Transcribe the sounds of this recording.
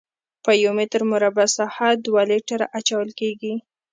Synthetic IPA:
pəjomɪt̪əɾmʊɾabasɑhad̪wɑleʈaɾaʔat͡ʃawəlkeɡi

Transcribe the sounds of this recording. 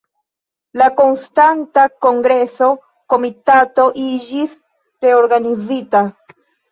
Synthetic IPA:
lako̞nstantako̞ŋɡɾe̞so̞ | ko̞mitato̞ʔid͡ʒis | ɾe̞o̞ɾɡanizita

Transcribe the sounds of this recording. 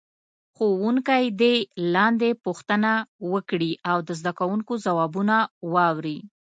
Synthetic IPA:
xowuŋkajd̪elɑnd̪epoxt̪ənawəkɽiʔawd̪əzd̪akawuŋkozawɑbunawɑwɾi

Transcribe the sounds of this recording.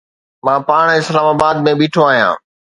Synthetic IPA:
mãːpaːɽ̃ɪslaːmaːbaːd̪̚mẽɓiːʈʰoaːɦijã̰ː

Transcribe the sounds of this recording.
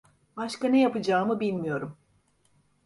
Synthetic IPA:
baʃkanejapɯd͡ʒaːmɯbilʲmijo̞ɾum

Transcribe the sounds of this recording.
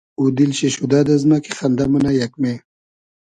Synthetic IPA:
ud̪ilɕeɕud̪ad̪ɐzmakixɐnd̪amunajɐkme

